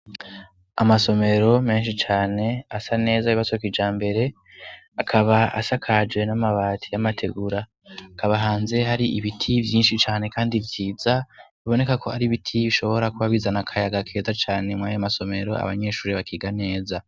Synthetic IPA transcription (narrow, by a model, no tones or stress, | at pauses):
a̰maso̞me̞ɾo̞me̞ːnʃit͡ʃaːne̞asane̞ːzaiβasokid͡ʒaːmbe̞ɾe̞ | akʰaβaa̰sakʰad͡ʒwe̞namaβaːtʰijamatʰe̞ɡuɾa | kaβaɦaːnze̞haɾiʔiβitʰivjiːnʃit͡ʃaːne̞kaːndivjiːzaβiβo̞ne̞kakʰo̞aɾiβitʰiβiʃo̞βo̞ɾakuβaβiːzanakʰajaɡakʰe̞ːzat͡ʃaːne̞mŋajamaso̞me̞ɾo̞̰a̰βa̰ɲe̞ʃuːɾiβakʰiːɡane̞ːza